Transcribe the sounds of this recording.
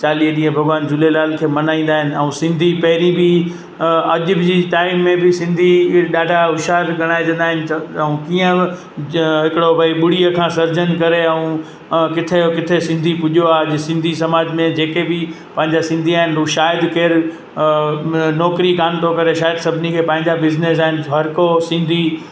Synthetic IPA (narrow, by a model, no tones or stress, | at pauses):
t͡ɕaːliːɦəɗĩːɦə̃bʱɐɡʋaːnd͡ʑʊlelaːlkʰeːmɐnaːĩːnd̪aːɦɪnɪ̆ɛũsɪ̃nd̪ʱipɐɦɪɾibɪ | ɐʄʊbɪd͡ʑiːʈaːɪmːẽbɪsɪ̃nd̪ʱiɗaːɖʱaɦʊʃaːɾɡʱɐɽ̃aːed͡ʑɐ̃nd̪aːɦɪnɪɛũkiːə̃ɪ | ɦɪkɪɽobʱɐiɓʊɽ̤iəkʰãːsɐɾd͡ʑənkɐɾeɛũ | kɪt̪ʰekɪt̪ʰesɪ̃nd̪ʱipʊʄjoaːɐʄsɪ̃nd̪ʱisɐmaːd͡ʑmẽd͡ʑeːkebɪ | pɐ̃ɦɪ̃ɲd͡ʑasɪ̃nd̪ʱiaːɦɪnũʃaːɪd̪keːɾ | nɔːkɾikaːnt̪ʰokɐɾeʃaːɪd̪sɐbʱɪnikʰeːpɐ̃ɦɪ̃ɲd͡ʑabɪznes̬aːɦɪnʋʱɐɾkosɪ̃nd̪ʱi